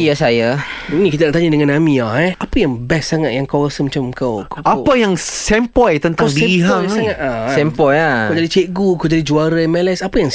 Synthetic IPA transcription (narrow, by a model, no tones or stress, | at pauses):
ijasajainĩkit̪at̪aʔt̪aɲadəŋãnamĩaɛhapəjaŋbɛssaŋat̪̚jaŋkoɾasəmət͡ʃamkawkapəjaŋsɛmpɔjt̪ənt̪aaŋdiɛɦaɔŋsaŋat̪lasɛmpɔjakad͡ʒadit͡ʃeʔɡuakowd͡ʒadid͡ʒuaɾamɛlɛsapəjaŋ